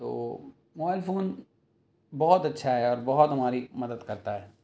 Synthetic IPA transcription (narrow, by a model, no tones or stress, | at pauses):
t̪o̰ː | maaːlfoːn | bɔːɔt̪ɐtːʃʰaɦɛɔːɾbɔɦɔt̪ɦɐmaːɾimɐd̪əd̪kɐɾt̪aɦɛː